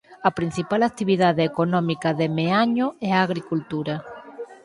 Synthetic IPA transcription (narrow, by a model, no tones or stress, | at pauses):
ɐpɾĩn̟θipalak̚t̪iβiðaðeekonɔ̃mikaðemeaɲoɛaːɣɾikult̪uɾa